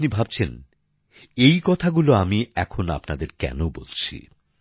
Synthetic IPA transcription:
nibʱab̚t͡ɕʰen | ejkɔt̪ʰaɡuloamiɛkʰona̰pnad̪eɾkɛ̰nobolt͡ɕʰḭ

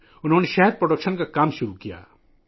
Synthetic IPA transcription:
ʊnɦoːneʃɛɦɛɾpɾoɖəkʃənkakaːmʃʊɾukija̰ː

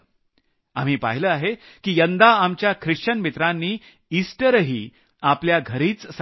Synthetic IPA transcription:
a̰m̤iːpaɦiləːaɦe | kiːjənd̪aamt͡ɕjakʰɾiʂt͡ɕənmit̪ɾanːiː | isʈəɾɦḭː | apljaɡʱəɾiːt͡ss

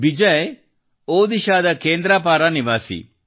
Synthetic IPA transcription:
bid͡ʒɐj | oːd̪iʃaːd̪ɐkeːnd̪ɾaːpaːɾaniʋaːsḭ

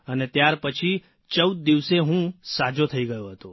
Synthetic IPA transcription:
ənet̪jaɾpət͡ʃʰi | t͡ʃəwd̪̚d̪iʋseɦũsad͡ʒot̪ʰəiɡəjoɦət̪o

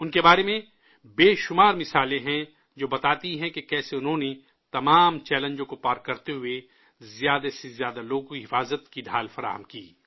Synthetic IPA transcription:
ʊnkebaːɾemẽ | beːʃʊmaːɾmɪsaːlẽɦɛ̃ | d͡ʒoːbɐt̪aːt̪iɦɛ̃kekɛːseʊnɦõːne | t̪ɐmaːmt͡ʃɛːlə̃ɲd͡ʒõkopaːɾkːɐɾt̪eɦʊe | zjaːd̪esezjaːd̪aloːɡkiɦɪfaːzət̪kiɖʱaːlfɐɾa̰ːɦəmkiː

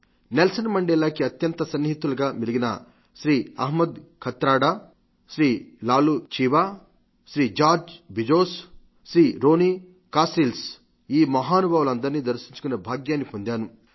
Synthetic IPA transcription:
nelsɐnmɐɳɖɛːlaːkiɐt̪jɐnt̪ɐsɐnːiɦit̪ulɐɡaːmiliɡinɐ̰ | ʃɾiːɐ̰ɦmɐd̪kʰɐt̪ɾaːɽaː | ʃɾiːlaːlut͡ʃiːʋaː | ʃɾiːd͡ʒaːɾd͡ʒbʱid͡ʒoːs | ʃɾiːɾo̞ːniː | kaːsɾils | iːmɐɦaːnubʱaːʋulɐnd̪ɐɾniːd̪ɐɾʃiɲt͡ʃu̥kunebʱaːɡjaːnːipoɲd̪aːnu

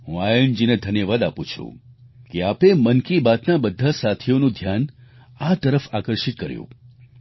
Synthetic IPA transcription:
ɦṵ̃ajəɳd͡ʒined̪ʱənjəʋad̪apũt͡ʃʰṵ̃ | keapemənkibat̪nabəd̪ʱːasat̪ʰijonũd̪ʱjan | at̪əɾəfakəɾʃit̪̚kəɾjṵ̃

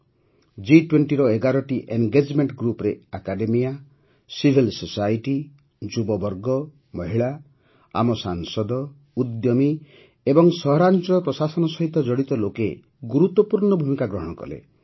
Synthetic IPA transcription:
d͡ʒiʈweɳʈiɾɔeɡaɾɔʈiʔeŋɡed͡ʒmeɳʈɡɾupɾeakaɖemija | sibʱilsosajʈi | d͡ʒubɔbɔɾɡɔ | mɔɦiɭa | a̰mɔsaŋsɔd̪ɔ | ud̪jɔmi | ebɔŋsɔɦɔɾant͡ʃɔpɾɔsasɔnɔsɔɦit̪ɔd͡ʒɔɽit̪ɔloke | ɡuɾut̪ːɔpuɾɳɔbʱumikaɡɾɔɦɔɽ̃ɔkɔ̰lḛ

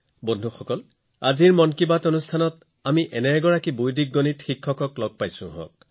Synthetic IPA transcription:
bondʱuxɔkɔl | aziɹmɔnkibatonustʰanɔt | amiʔɛnɛɡɔɹakibujdik̚ɡonitxikʰːɔkɔklɔɡ̚pajsʊ̰̃ɦɔ̰̃k̚

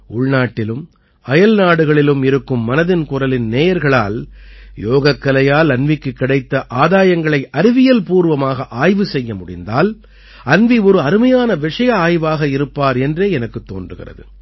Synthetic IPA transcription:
ʊɭnaːʈːɪlɯm | ɐjɐlnaːɽɯɣɐɭɪlɯmɪɾɯkːɯmːɐnɐðɪnkʊɾɐlɪnneːjɐɾɣɐɭa̰ːljoːɣɐkːɐlɐjaːlɐnʋɪkːɯkːɪɽɐɪt̪ːɐʔaːðaːjɐŋɡɐɭɐɪʔɐɾɪʋɪjɐlpuːɾʋɐmaːɣɐʔaːjʋɯsɛjːɐmʊɽɪ̰nd̪aːl | ɐnʋiɔɾɯɐɾɯmɐjaːnɐʋɪʂɐjɐaːjʋaːɣɐɪɾɯpːaːɾɛndreːɛnɐkːɯt̪ːo̰ːndrɯɣɪ̰rɐ̰ðɯ̰

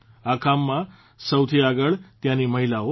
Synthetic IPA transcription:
akamːã | səwt̪ʰiaɡəɭt̪jãniməɦilao

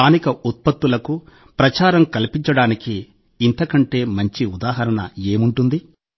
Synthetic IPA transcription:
aːnikɐʔut̪̚pɐt̪ːulɐku | pɾɐt͡ʃaːɾɐmkɐlipiɲt͡ʃɐɽaːnikiː | nt̪ɐkɐɳʈe̞ːmɐɲt͡ʃiud̪aːɦɐɾɐɳɐ̰e̞ːmuɳʈund̪i

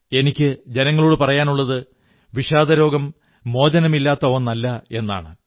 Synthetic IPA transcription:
e̞nikʲːɨd͡ʑe̞nɐŋːɐɭoːɽɨpɐrɐjaːnuɭːɐðɨ | ʋiʂaːd̪ɐɾo̞ːɡɐmː | o̞ːd͡ʑɐnɐmilːaːt̪ːɐonːɐlːɐe̞nːa̰ːɳɨ

